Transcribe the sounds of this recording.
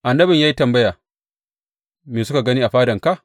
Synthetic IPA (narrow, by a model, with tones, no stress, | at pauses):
ʔa˨nːɐ˦bɪ˨ɲjaː˦ji˦tɐ˨mbɐ˦jaː˨ | meː˨s̬ʊ˦ka˨ɡɐ˦niː˦ʔa˨ɸaː˦dɐ˨ŋka˦˨ʔ